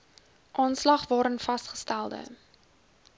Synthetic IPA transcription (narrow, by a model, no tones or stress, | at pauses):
ʔɑːnslɐχvɑːɾənfɐstχə̥stælˠdə̰